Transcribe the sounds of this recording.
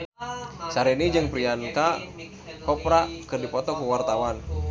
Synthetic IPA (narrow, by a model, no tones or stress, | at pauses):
saɾɛnid͡ʒɨŋpɾianka | kɔpɾakɨrdipɔt̪ɔkuwart̪awan